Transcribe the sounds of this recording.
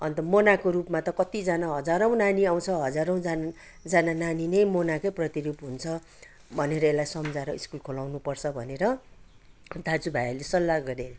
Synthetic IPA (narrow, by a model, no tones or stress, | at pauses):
ʌnt̪ʌmonakoɾupmat̪ʌkʌt̪id͡zanaɦʌd͡zaɾʌ̃w̃naniaw̃t͡sʰʌɦʌd͡zaɾʌ̃w̃d͡zan | d͡zanananinʌjmonakojprʌt̪iɾupɦunt͡sʰʌ | bʱʌneɾʌelajsʌmd͡zaɾʌiskulkʰolawnupʌrt͡sʰʌbʱʌneɾʌ | d̪ad͡zubʱajlesʌlːaɡʌɾel